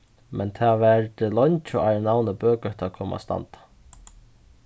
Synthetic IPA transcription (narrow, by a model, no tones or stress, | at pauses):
mʔɛnt̪ʰaːvɛɾt̪ɪlɔɲt͡ʃʊajɾnawnəbøːkœht̪ʰakʰɔːma̰st̪a̰nt̪ḁ